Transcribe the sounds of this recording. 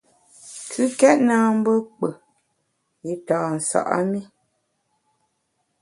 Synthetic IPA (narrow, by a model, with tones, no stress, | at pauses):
kʰʉ˦kɛ˦ʔnaː˦m̩˦bə˦k͡pə˨ | i˨taː˨n̩˨sa̰˨ʔa̰˦mi˦